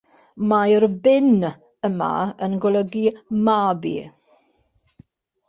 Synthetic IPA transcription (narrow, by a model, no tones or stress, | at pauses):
majrbɪn | əma̰ənɡɔlˠəɡimabḭ